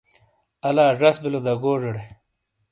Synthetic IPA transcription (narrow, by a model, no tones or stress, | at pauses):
ɐlaːʐɐsbilod̪ɐɡoːʐɐɽe